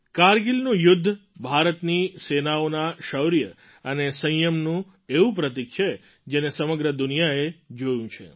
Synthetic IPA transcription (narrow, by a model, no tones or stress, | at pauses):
kaɾɡilnũjʊd̪ʱːbʱaɾət̪nisenaonaʃəwɾijə | ənesə̃jəmnũ | eʋũp̬ɾət̪̬ik̚t͡ʃʰe | d͡ʒenesəməɡɾəd̪ʊnijaed͡ʒojũt͡ʃʰḛ